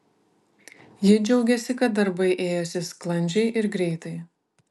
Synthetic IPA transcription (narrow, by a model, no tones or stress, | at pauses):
jid͡ʒʲɛʊɡʲɛsʲɪkɐt̪̚d̪ɐɾbɐɪʔeːjosʲɪsklˠɐnʲd͡ʒʲɛɪʔɪɾɡɾʲɛɪt̪ɐɪ